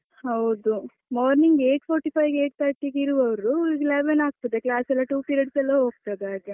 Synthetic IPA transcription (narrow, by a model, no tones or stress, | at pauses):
hɐwd̪u | maːɾniŋɡeːʈpʰoːɾʈipʰɐjkeːʈ̚t̪ʰɐɾʈikiɾuʋɐʋɐɾuulɡlaːbenaːk̚t̪ud̪eklaːsɐlːɐʈuːpiɾeɖsɛlːɐɦoːɡ̚t̪ad̪aːɡe